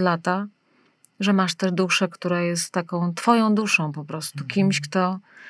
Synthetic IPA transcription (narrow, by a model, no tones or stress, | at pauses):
lat̪a | ʐɛmaʂt̪ɛʐd̪uʂɛkt̪uɾajɛst̪ːakɔ̃w̃t̪fɔjɔ̃w̃d̪uʂɔ̃w̃pɔpɾɔst̪ukʲimɕkt̪ɔ